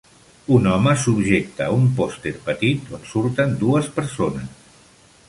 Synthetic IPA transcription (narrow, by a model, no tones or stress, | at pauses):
unɔməsubʒek̚t̪aumpɔst̪eɾpət̪it̪onsuɾt̪ənd̪uəspəɾsonəs